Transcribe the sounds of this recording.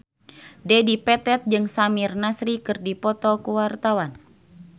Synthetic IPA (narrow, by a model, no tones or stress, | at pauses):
dɛdipɛt̪ɛt̪̚d͡ʒɨŋsamirnasɾikɨrdipɔt̪ɔkuwart̪awan